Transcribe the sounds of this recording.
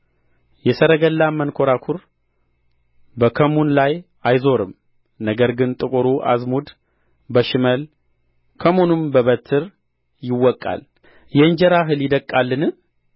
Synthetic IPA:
jɛsəɾəɡəlːamənkʰo̞ɾakʰuɾ | bəkʰəmunlaj | ajzo̞ɾɨm | nəɡəɾɡɨnt̪ʼɨkʼuɾuʔa̰zmud̪ | bəʃɪməl | kʰəmunɨmbəβət̪ʰːɨɾ | jɪwːɔkʼːa̰l | jɛɨnd͡ʒɛɾaɦɨljɪd̪əkʼːalːɨnɨ

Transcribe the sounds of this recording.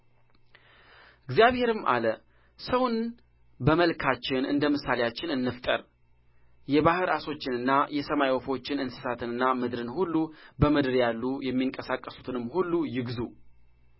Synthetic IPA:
ʔɨɡzijaβhe̞ɾɨmʔa̰lə | səwn | bəməlkʰat͡ʃːɪnɨ̰nd̪əmɨsːalejat͡ʃːɪnɨnːɨft̪ʼə̰ɾ | jɛβahɨɾaso̞t͡ʃːɪnɨnːajɛsəmajwɔfo̞t͡ʃːɪnɨnsɨ̥sat̪ʰɨnɨnːamɨd̪ɾɨnhulːubəmɨd̪ɨɾjalːujɛmːiŋkʼəsakʼːəsu̥t̪ʰɨnɨmːhulːujɪɡzu

